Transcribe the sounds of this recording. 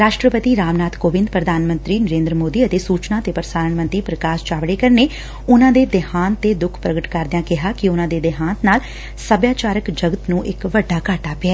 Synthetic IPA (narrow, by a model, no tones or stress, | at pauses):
ɾaːʃʈɾəpət̪iːɾaːʋnaːt̪koːbɪ̃nd̪pɾəd̪ʱaːnmə̃nt̪ɾiːnəɾẽːnd̪ɾəmoːd̪iːət̪eːsuːt͡ʃnãːt̪eːpəɾəsaːɾəɳmə̃nt̪ɾiːpɾəkaːʃt͡ʃaːʋɽeːkəɾneː | ʊnãːd̪eːd̪ɪhaːnt̪eːd̪ʊkʰpɾəɡəʈkəɾd̪ɪjãːkɪɦaːkɪʊnãːd̪eːd̪ɪɦãːnt̪naːl | səbjaːt͡ʃaːɾəkd͡ʒəɡət̪nũːʔɪkʋəɖːaːkəʈaːpɪaɛː